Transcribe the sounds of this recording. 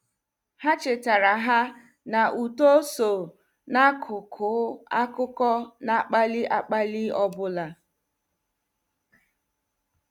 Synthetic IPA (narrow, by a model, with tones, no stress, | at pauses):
ha˦t͡ʃɪ˨ta˨ɾa˨ɦa˦ | na˨ʔu˨to˦so˨ | na˦kʰʊ˨kʰʊ˨˦a˦kʊ˦kɔ˦na˦k͡pa˦li˦ʔa˨k͡pa˦li˦ɔ˦bʊ˦la˨